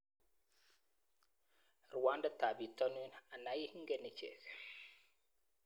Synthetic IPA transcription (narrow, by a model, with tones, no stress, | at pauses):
ɾwa˨˦nda˦ta˨bi˨tɔ˦nu˦na˨na˨˦ji˦ŋ̩˦ɡɛ˦ni˨t͡ʃḛ˨k